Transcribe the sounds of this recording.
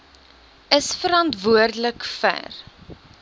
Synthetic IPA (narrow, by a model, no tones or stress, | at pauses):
əsfəɾɐntvuərdələkfæ̰r